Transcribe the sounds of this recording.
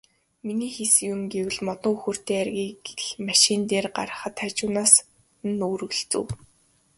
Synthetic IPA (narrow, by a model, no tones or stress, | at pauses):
miniːxesɘ̆kumɡewɘ̆ɮmɔt̪ɞ̆ŋuxɵ̆r̥t̪eːærɣʲiːɡeɮmaʃint̪eːrɢa̰ɾə̆χə̆t̪ʰat͡ɕʊːnaːs̆ | noːr̆ɣɵ̆ɮt͡sɘ̰̆w